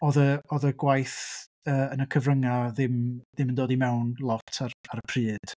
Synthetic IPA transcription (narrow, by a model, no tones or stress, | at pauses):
ɔðəɔðəɡwajθ | əːənəkʰəvrəŋaðɪmðɪməndoːdimɛwnlˠɔtʰaraɾəpʰrɨːd̥